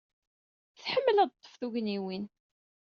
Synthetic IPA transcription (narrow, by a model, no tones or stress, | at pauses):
θħəmːəlæd̪̚t̪ˤːə̥fθuʝniwin